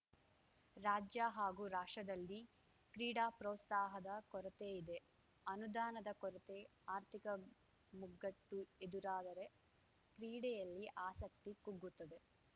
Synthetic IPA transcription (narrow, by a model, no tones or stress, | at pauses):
ɾaːd͡ʒjaɦaːɡuːɾaːʂʈɐd̪ɐlːi | kɾiːɽaːpɾɔːt̪st̪aːɦɐd̪ɐkɔɾɐt̪eid̪e̞ | ɐnud̪aːnɐd̪ɐkɔɾɐt̪e̞aːɾt̪ʰikɐ | muɡɐʈːued̪uɾaːd̪ɐɾe̞ | kɾiːɽɛjɐlːiʔaːsɐk̚t̪ikuɡːut̪ːɐd̪e̞